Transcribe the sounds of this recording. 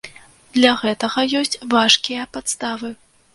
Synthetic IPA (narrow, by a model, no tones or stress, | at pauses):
d̪̥lʲaɣɛt̪ɐɣɐjɔsʲt͡sʲvaʂkʲijɐpat̪st̪avɨ